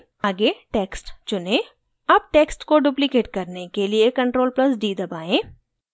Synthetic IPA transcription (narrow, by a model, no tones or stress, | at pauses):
aːɡeʈeːksʈt͡ʃʊnẽː | ɐb̚ʈeːksʈkoɖuːplikeːʈ̚kɐɾnekeliekɐ̃ɳʈɾoːlplɐsɖiːd̪ɐbaːẽː